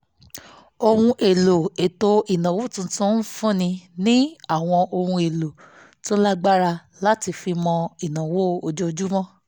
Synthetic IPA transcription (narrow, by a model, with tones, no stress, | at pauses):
o˧hũ˧ʔe˨lo˨e˨to˧i˨nã˨wo˦˨tũ˧tũ˦n̩˦fũ˦˨nĩ˧nĩ˦a˦˨w̃ɔ̃˧ʔo˧hũ˧e˨lo˨ | to˦la˦ɡ͡ba˦ɾa˧ | la˦ti˧fi˧mɔ̃˧i˨nã˨wo˦o˧d͡ʒo˦o˧d͡ʒu˦mɔ̃˦